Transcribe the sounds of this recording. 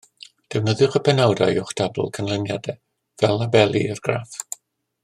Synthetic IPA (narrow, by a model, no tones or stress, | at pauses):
d̥ɛwnəðjʊχəpʰɛnawdajʊχd̥ab̰lˠkʰənlˠənjadɛ | vɛlˠabɛlˠḭərɡ̥ra̰ːf